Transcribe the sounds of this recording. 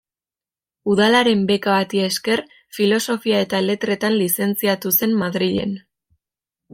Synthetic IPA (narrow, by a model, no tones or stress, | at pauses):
uðalaɾe̞mbe̞kaβat̪iaeske̞r | filo̞so̞fiae̞t̪aele̞t̪ɾe̞t̪anlise̞nt͡siat̪use̞mmaðɾiʎe̞̰n